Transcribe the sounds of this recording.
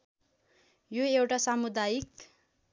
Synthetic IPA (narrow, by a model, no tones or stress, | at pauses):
joewʈasamud̪ajik